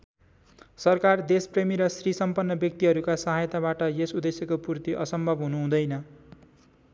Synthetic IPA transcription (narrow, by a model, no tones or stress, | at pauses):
sʌrkard̪espremiɾʌsrisʌmpʌnːʌbjʌk̚t̪iɦʌɾukasʌɦajt̪aβaʈʌjesud̪esjʌkopurt̪iʔʌ̰sʌmbʱʌbɦunuɦũd̪ʌjnʌ